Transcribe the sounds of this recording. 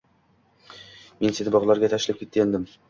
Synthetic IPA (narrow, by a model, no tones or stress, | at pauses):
mensenɪbɒʁlˠaɾɡʲat̪ʰæʃɪlʲɪp̚kʰʲe̞t̪̚ːejand̪ɪm